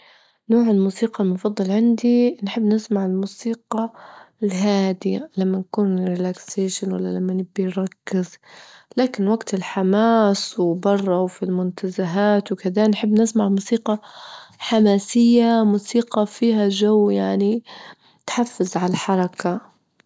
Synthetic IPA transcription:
noːʕɪlmuːsiːqɑlmʊfɑd̪ˤːɑlʕɪnd̪inħɪbːnɪsmaʕɪlmuːsiːqɑlɦaːd̪ilamːankuːnrɪlakseːʃanwa̰lːa̰lamːanɪbːijɾˤɑkːɪzlaːkɪnwaɡt̪ɪlħamaːswbɑrˤːɑwfilmʊnt̪azaɦaːt̪wɪkɪd̪anħɪbːnɪsmaʕmuːsiːqɑħamaːsɪjːamuːsiːqɑfiːɦad͡ʒawːjaʕni | t̪ħafːɪzʕalaħɑɾˤɑka

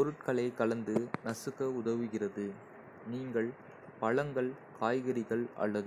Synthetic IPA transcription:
pɔɾɯʈkɐɭɐɪkɐɭɐnd̪ɯnɐsɯɣɐʊðɐʋɯɣɪrɐðɯ | niːŋɡɐɭ | pɐɭɐŋɡɐɭ | kʰaːjɣɐɾɪɣɐɭʔɐ̰ɭːɐðɯ

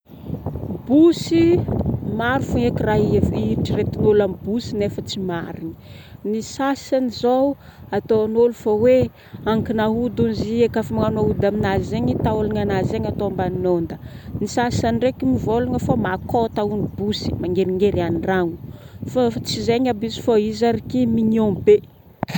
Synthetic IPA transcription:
busimaɾufuŋekiraɦeviiʈ͡ʂiret̪inolambusinefət͡simaɾini̥ | nisasanizow | at̪oanolufawe | aŋkinaɦud̪unziekafimaŋanaud̪aminazzeɲit̪aolaŋanazeɲat̪oambannond̪ənisasanirekimivoluŋəfamakot̪aunibusi̥maŋɡeɾiŋɡeɾianiɳraŋu̥fat͡sizeɲabizfaizaɾikimiɲiombe

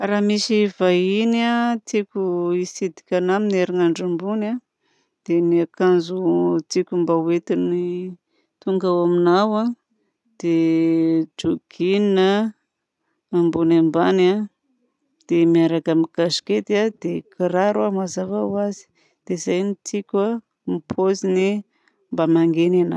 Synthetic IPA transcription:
ɾaːmisivainat̪ikʲuisid̪i̥kʲanamineɾiŋaɳɖ͡ʐambuna | d̪̥eniakanzut̪ikʲumbawet̪ini | t̪uŋɡawaminawa | d̪̥e | d͡ʒuɡ̥inina | ambunambana | d̪̥emiaɾakamikaʃi̥ket̪iad̪̥ekʰiɾaɾuamazavawazi̥ | d̪̥ezajnit͡sikʲa | mipʰozini | mbamaŋɡenana̰

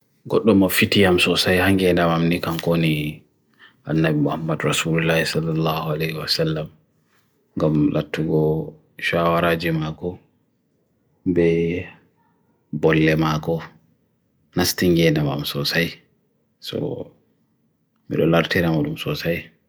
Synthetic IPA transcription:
ɡɔɗːɔmɔfitijamsɔsajhaŋɡɛndamamnikamkoni | ʔanːabimuhamːadɾasululahisalːalːahualɛhwasalːam | ŋɡamlʔa̰tːuɡɔ | ʃawaɾaːd͡ʒimakɔ | bɛ | bɔlːɛmakɔ | nastiŋɡɛndama̰msɔsaj | sɔ̰ | mḭɗɔlaɾtiɾamaɗumsɔsaj

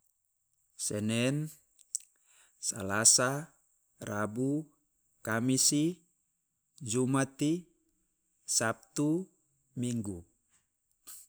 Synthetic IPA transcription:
sɛnɛn | sa̰lasa | rabu | kamisi | d͡ʒumat̪i | sap̚t̪u | miŋɡu

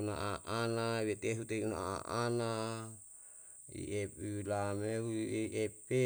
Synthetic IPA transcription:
na̰ʔaʔanaβet̪eɦut̪eiuna̰aa̰ʔana | ḭʔepilameuʔepe

